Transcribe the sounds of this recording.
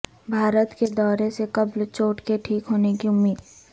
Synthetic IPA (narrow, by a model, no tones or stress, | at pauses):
bʱaːɾət̪ked̪ɔːɾesekɐblt͡ʃoːʈkeʈʰiːkɦoːnekiʊmːiːd̪